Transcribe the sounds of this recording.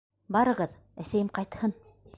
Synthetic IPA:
bɑɾɤ̆ʁɤð | æsæjɘmqɑjt̪hɤn

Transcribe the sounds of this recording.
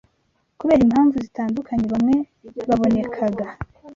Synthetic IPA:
kuβe̞ːɾimhaːɱvuzitaːndukʰaɲe̞βamŋe̞ | βaβo̞ne̞kʰaɡa

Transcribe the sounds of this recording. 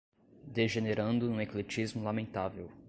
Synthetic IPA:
d̪eʒeneɾɐ̃nd̪ʊũeklet͡ʃizmʊlamẽnt̪avew

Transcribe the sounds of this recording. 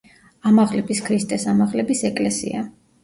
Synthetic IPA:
amaʁlɛbiskʰɾist̪ʼɛsamaʁlɛbisɛkʼlɛsḭa̰

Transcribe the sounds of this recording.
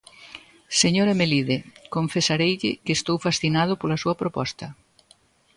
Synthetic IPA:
seɲoɾɐmeliðekoɱfesaɾejʎɪkest̪owfasθinað̞ʊpolɐsuɐpɾopɔst̪ɐ

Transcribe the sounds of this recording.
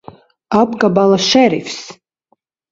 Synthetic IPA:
abɡabalaʃɛɾḭfs

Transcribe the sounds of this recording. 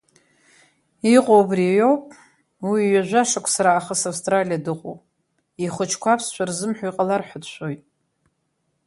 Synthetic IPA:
iqʼowbrijowpʼ | wiːɥaʒʷaʂakʷʰʼsaɾaːχəsawstʼralijadɨqʼo̰w | iχʷʊt͡ʃʰkʷʰapʰst͡ʃʷʰarzɨmħʷᶣajqʼalarħʷᶣadʃʷʰojtʼ

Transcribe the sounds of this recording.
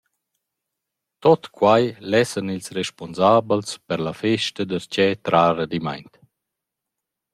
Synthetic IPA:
t̪ɔt̪kʰwajlɛsənilsrɛʃpɔnzaːbəlspəɾlafɛʃt̪əd̪əɾt͡ɕɛt̪ɾaːɾad̪ima̰jnt̪

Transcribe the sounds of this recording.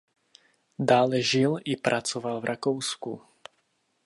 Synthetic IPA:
daːlɛʒɪlʔɪpɾʔat͡sovalvɾʔakowsku

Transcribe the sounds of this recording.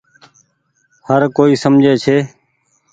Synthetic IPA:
həɾkoːiːsəmd͡ʒʱeːt͡ʃʰeː

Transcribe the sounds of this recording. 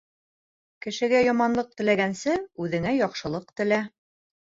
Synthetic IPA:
kɘ̆ʃɘ̆ɡæjɒmɑnlˠɤq̚t̪ɘ̆læɡænsɘʉðɘ̆ŋæjɒqʃɤ̆lˠɤqt̪ɘ̆læ

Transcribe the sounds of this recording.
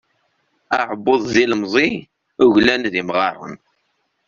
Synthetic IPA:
aʕəbːoðˤziləmzˤi | ʊʝlænðimʁɑrˤːə̰n

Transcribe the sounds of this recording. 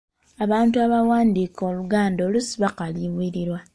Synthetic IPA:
aβaːntuaβawaːndiːkʰo̞luɡaːndo̞ːlusiβakaliβwiɾiɾwa

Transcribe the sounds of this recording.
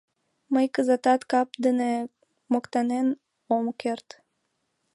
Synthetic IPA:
məjkəzɑt̪ɑt̪kɑp̚d̪əne | mokt̪ɑnen | omkert̪

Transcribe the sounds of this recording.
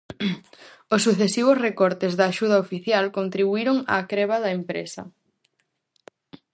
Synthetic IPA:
osːuθesiβ̞osrekɔɾt̪ezðɐːʃuð̞ɐofiθjalkont̪ɾiβuiɾoŋa̰ːkɾɛβɐðɐempɾḛsɐ̰

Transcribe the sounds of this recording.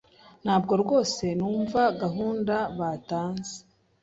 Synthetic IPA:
n̥haːb̚ɡo̞ɾɡo̞ːse̞nuːɱvaɡaɦuːndaβataːnze̥

